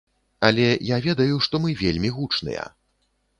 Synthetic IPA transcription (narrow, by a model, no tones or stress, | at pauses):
ɐlʲɛjavʲɛd̪ɐjuʂt̪ɔmɨvʲelʲmʲiɣut͡ʂnɨ̰jɐ̰